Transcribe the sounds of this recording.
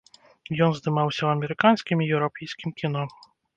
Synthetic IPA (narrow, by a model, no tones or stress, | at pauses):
jɔnzd̪ɨmawsʲɐwɐmʲɛɾɨkanskʲimʲijɛwɾɔpʲɛjsʲkʲimkʲinɔ